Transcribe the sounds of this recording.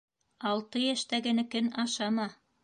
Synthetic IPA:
ɑlˠt̪ɤjæʃt̪æɡɘ̆nɘ̆kɘnɑʃɑmɑ

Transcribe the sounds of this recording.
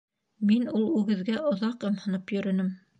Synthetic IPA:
minulˠʉɡɘ̆ðɡæʔŏðɑqɤmhɤ̆nɤpjɵ̆ɾɵ̆nɘm

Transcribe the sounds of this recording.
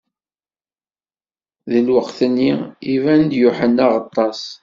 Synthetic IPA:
ðilwəqθənːiivænd̪jʊħənːaʁɑt̪ˤːɑs

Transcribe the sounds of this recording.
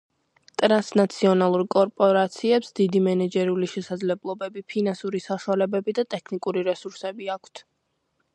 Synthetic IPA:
t̪ʼɾansnat̪sʰiɔnalˠuɾkʼɔɾpʼɔɾat̪sʰiɛpsd̪id̪imɛnɛd͡ʒɛɾuliʃɛsad̪zlɛblˠɔbɛbipʰinansuɾisaʃwalɛbɛbid̪at̪ʼɛkʰnikʼuɾiɾɛsuɾsɛbiakʷʰt̪ʰ

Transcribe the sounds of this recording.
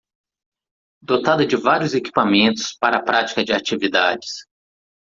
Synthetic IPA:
d̪ot̪ad̪ɐd͡ʒɪvaɾijʊzeki̥pamẽnt̪ʊ̥spaɾɐapɾat͡ʃi̥kɐd͡ʒɪat͡ʃivid̪ad͡ʒɪs

